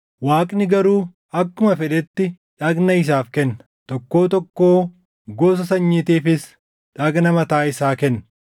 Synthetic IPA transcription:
waːkʼnɪɡɐɾuː | ɐkːʊmɐfɛᶑɛt̪ːɪ | ᶑɐɡnɐɪs̬aːfkɛnːɐ̥ | t̪ɔkːo̞ːt̪ɔkːoː | ɡoːs̬ɐsɐɲːit̪iːfɪs | ᶑɐɡnɐmɐt̪aːɪsaːkɛnːɐ

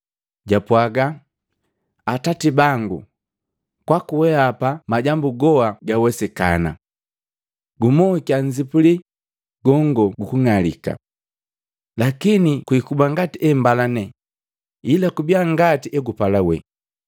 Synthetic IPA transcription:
ɟapwaɡa | atatibaŋɡu | kwakuwɛapamaɟambuɡɔaɡawɛsɛka̰na̰ | ɡumɔkiaɲzipuli | ɡ̥ɔŋɡɔɡukuŋalḭka̰ | lakinikwikubaŋɡatiʔɛmbalanɛ | ilakubiaŋɡatiʔɛɡupalawɛ̰

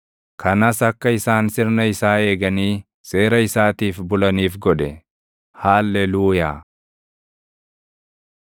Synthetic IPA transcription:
kʰɐnɐsɐkːɐɪsaːnsɪɾnɐɪsaːe̞ːɡɐniː | se̞ːɾɐɪsaːt̪iːfbʊlɐniːfɡɔᶑɛ | haːlːɛluːjaː

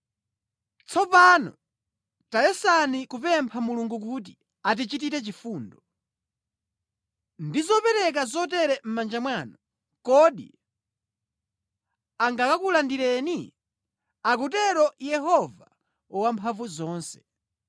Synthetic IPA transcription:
t͡sʰɔpanɔ̰ | tajɛsanikupɛmpʰamuluŋɡuk̬uːt̬i | at̬it͡ʃit̬itɛt͡ʃifuːndɔ | ndizɔpɛɾɛk̬azɔtɛɾɛm̩mand͡ʒamwaːnɔ | kɔɗḭ | aŋɡakakulandiɾɛni | ak̬ut̬ɛɾɔjɛɦɔva | ɔwampʰavuzɔːnsɛ̥

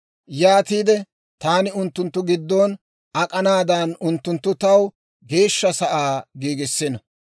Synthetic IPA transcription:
jaːt̪iːd̪ɛ | t̪aːnɪʊnt̪ːʊnt̪ːʊɡɪd̪ːoːn | ɐkʼɐnaːd̪ɐːnʊnt̪ːʊnt̪ːʊt̪ɐw | ɡe̞ːʃːɐsɐʔaːɡiːɡɪsːɪnɐ

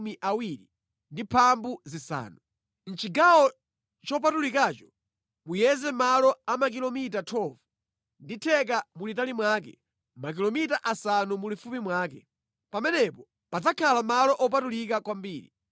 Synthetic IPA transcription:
miʔawiɾi | ndipʰambuzisa̰ːnu | n̩t͡ʃiɡawɔ | t͡ʃɔp̬atulikaːt͡ʃɔ̥ | mujɛzɛmalɔamak̬ilɔmitatʰɔvu̥ | nditʰɛk̬amulitalimwaːkɛ | mak̬ilɔmitaʔasanumulifumimwaːkɛ | pamɛnɛpɔ | pad͡zakʰalamalɔʔɔp̬atulikakwambiːɾḭ

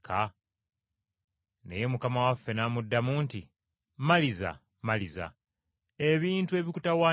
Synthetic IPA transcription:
kʰa | ne̞̰je̞mukamawafːe̞naːmudːamunti | maliza̰ | maliza̰ | e̞βiːntue̞βikutawaː

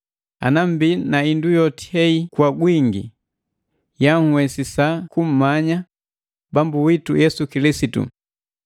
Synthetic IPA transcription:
a̰nam̩binaindujɔti̥hɛikwaɡwiŋɡi | jahuwɛsisakum̩maɲa | bambuwitujɛsukilisitṵ

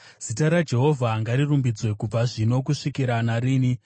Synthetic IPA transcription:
z̥itaɾad͡ʒe̞ɦo̞vʱaŋɡaɾirumbid͡zwe̞kub͡vaʐino̞kuʂikiɾanaɾiːni

